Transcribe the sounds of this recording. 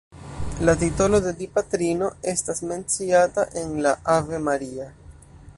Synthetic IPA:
lat̬ito̞lo̞de̞dipatɾino̞e̞stasme̞nt͡siataʔe̞nlaʔave̞maɾia

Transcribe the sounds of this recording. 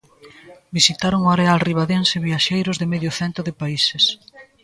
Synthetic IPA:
bisit̪aɾoŋoaɾealriβaðenseβiaʃejɾʊzðɪmeðjʊθɛnt̪ɾʊðɪpaises

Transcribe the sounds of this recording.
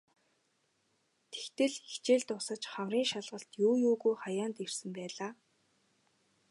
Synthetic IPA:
t̪ʰe̥xt̪ɘ̆ɮixt͡ɕeːɮt̪ʊsə̆t͡ɕχamriːŋʃaɮʁə̆ɬt̪juːjuːɣujχajaːnt̪irsɘ̆mpæːɮaː

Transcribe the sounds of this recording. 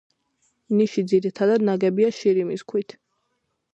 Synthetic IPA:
niʃid̪ziɾit̪ʰad̪ad̪̚naɡɛbiaʃiɾimiskʰwit̪ʰ

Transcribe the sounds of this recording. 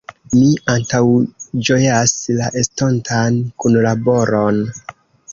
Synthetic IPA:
miantawd͡ʒo̞jaslaʔe̞sto̞ntʰankunlabo̞ɾo̞n

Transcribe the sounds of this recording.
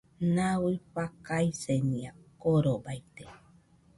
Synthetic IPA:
nawɨpakajsenĩakoɾobajt̪e

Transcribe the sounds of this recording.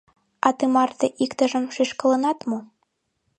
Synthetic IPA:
ɑt̪ɨmɑrt̪eʔikt̪ə̆ʒə̆mʃiʃkɤ̆lˠɤ̆nɑt̪mu

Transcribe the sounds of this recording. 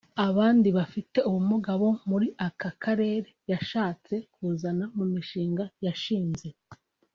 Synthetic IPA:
aβaːndiβafite̞uwumuɡaβo̞muɾiʔakakʰaɾe̞ːɾe̞jaʃaːt͡se̞kuːzanamumiʃiːŋɡajaʃiːnze̞

